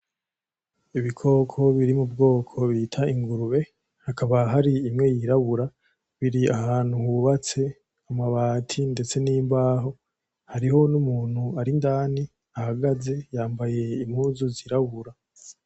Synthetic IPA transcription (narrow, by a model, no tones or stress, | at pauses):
iβikʰo̞kʰo̞βiɾimub̚ɡo̞ːkʰo̞βitʰaiŋɡuɾuβe̞ | hakʰaβaɦaɾiːmŋe̞jiɾaβuɾa | βiɾiaɦaːnhuhuβat͡se̞ | amaβaːtʰinde̞t͡se̞niːmbaːɦo̞ | haɾiho̞numuːn̥huaɾindaːni | ahaɡaze̞jaːmbaje̞imhuːzoziɾaβuɾa